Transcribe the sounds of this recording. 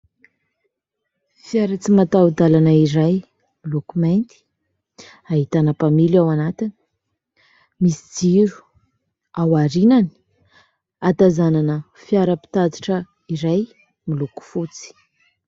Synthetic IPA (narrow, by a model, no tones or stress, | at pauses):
fiaɾat͡simat̪aud̪alanəiɾaj | milukumajnt̪i̥ | aɦit̪anəpamilawanat̪ini̥ | misid͡ziɾu̥ | awaɾinani̥ | at̪azananə | fjaɾəpi̥t̪ad̪iʈ͡ʂə | iɾaj | miluku̥fut͡si̥